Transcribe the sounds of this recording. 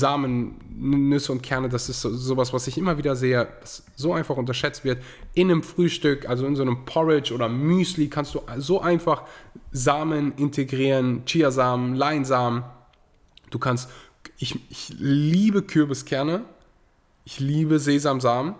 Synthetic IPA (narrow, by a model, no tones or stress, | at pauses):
zaːmənː | ʏsəʊntkʰɛɐnədasɪstz̥oːzoːvasv̥asɪçʔɪmɐviːdɐzeːəv̥as | z̥oːʔaɪnfaχʊntɐʃɛt͡stv̥ɪɐt | ʔɪnəmfʁ̥yːʃtʏkʔalzoɪnzoːnəmpʰɔʁɪt͡ʃʔoːɾɐmyːslikʰanstd̥uːʔzoːʔaɪnfaχzaːmənʔɪntʰeɡʁiːʁənt͡ʃiːɐzaːmənlaɪnzaːmən | d̥uːkʰanst | ʔɪçʔɪçliːbəkʰʏɐbəskʰɛɐnə | ʔɪçliːbəzeːzaːmzaːmən